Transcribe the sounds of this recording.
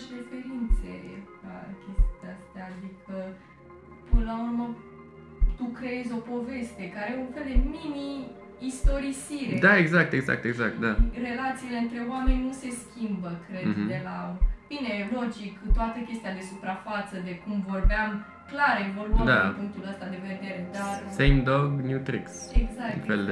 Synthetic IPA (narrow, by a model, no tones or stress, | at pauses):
ʃɾefe̞ɾint̪se̞la̰kʲest̪iast̪aːd̪ikʰə | pɨnəlaurmə | t̪ukɾeezʲo̞po̞ve̞st̪e̞kaɾejeunfe̞ld̪e̞miniː | st̪o̞ɾisiɾed̪aeɡzakt̪eɡza̰k̚t̪eɡza̰k̚t̪̚d̪are̞lat̪siːle̞ɨnt̪ɾe̞wame̞nʲnuse̞skʲimbəkɾe̞d̪d̪e̞lab̥ine̞lo̞d͡ʒikt̪oat̪əkʲe̞st̪ijad̪e̞supɾafat̪səd̪e̞kumvo̞rbeam | klaɾevo̞luad̪aipuŋk̚t̪uləst̪ad̪e̞ve̞d̪e̞ɾe̞d̪arsejmd̪oɡnjut̪ɾḭkseɡzaknffeld̪e